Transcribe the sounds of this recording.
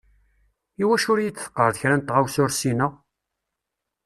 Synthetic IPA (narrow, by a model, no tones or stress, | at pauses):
iwæʃʊɾjit͡sːθə̥qːəɾˤðəçɾænt̪ːʁawsʊɾsinʊʁ